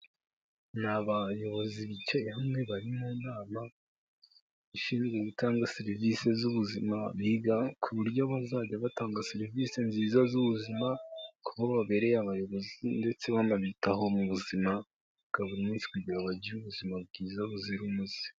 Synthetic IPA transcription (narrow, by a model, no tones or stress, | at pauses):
naβajo̞βo̞ziβicahamŋe̞βaɾimunaːma | iʃiːnzɡweβitaːŋɡaseɾivise̞zuβuzimaβiɡakʰuβuɾɟo̞βazaɟaβataːŋɡaseɾivise̞nziːzazuβuzimakuβaβaβe̞ɾe̞jaβajo̞βo̞zinde̞t͡se̞βanaβitaɦo̞muβuzima | ɡ̥aβuɾimiːnsi̥kuɟiɾaβaɟiɾuβuzimab̚ɡiːzaβuziɾumuzi